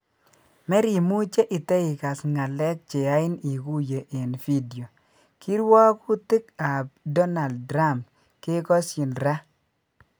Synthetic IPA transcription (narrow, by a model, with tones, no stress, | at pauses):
mɛ˦ɾi˨mu˦t͡ʃe˦ʔɪ˨tɛ˦i˨ka˨sŋa˨lɛ˦k̚t͡ʃe˨a˦ɪ˦ni˨ku˦je˨ʔe˨nfi˦di˨o˨ | ki˦ɾwa˦ku˦tɪ˦ka˨b̚dɔ˦na˨lddɾa˦˨m | kɪ˦kɔ˦sjɪ˨nɾa˦